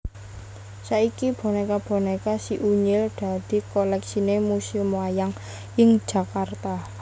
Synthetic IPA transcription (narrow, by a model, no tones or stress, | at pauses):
saikib̥ɔ̤nekab̥o̤nekasiʔuɲɪlɖ̪̥a̤d̪̥i̤kolɛksinemusimajaŋ | ɪŋ̥ʒ̥ä̤kart̪a